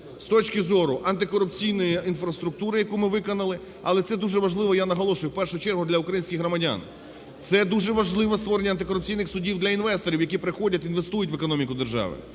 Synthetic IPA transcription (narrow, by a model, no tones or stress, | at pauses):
st̪ɔt͡ʃkɪzɔɾʊʔɐnt̪̬ɪkɔɾʊpt͡sʲijnɔjiinfɾɐst̪ɾʊk̚t̪uɾɪjɐkumɪʋɪkɔnɐlˠɪ | ɐ̰lˠɛt̪sɛd̪uʒɛʋɐʒlˠɪʋɔjanɐɦɔlˠɔʃʊjʊwpɛrʃʊt͡ʃɛrɦʊd̪lʲɐʊkɾɐjinʲsʲkʲɪxɦɾɔmɐdʲa̰n | t̪sɛd̪uʒɛʋɐʒlˠɪʋɔst̪ʋɔɾenʲːɐnt̪ɪkɔɾʊp̚t͡sʲijnɪxsʊdʲiwd̪lʲɐinʋɛst̪ɔɾʲiwjɐkʲipɾɪxɔdʲɐt̪ʲinʋe̞st̪ujʊtʲʋekɔnɔmʲikʊd̪erʒɑ̰ʋɪ̰